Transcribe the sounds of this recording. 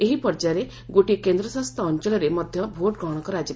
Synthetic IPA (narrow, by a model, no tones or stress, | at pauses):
eɦipɔɾd͡ʒaɾe | ɡoʈikẽnd̪ɾɔsast̪ʰaɔnt͡ʃɔlɔɾemɔd̪ʱjɔbʱoɾʈɡɔɽ̃ɔkɔɾad͡ʒ